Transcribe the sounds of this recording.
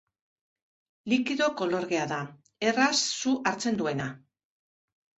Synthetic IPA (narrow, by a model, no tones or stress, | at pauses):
likiðo̞ko̞lo̞ɾɣeaða | e̞rasːuʔaɾt͡se̞nd̪ue̞na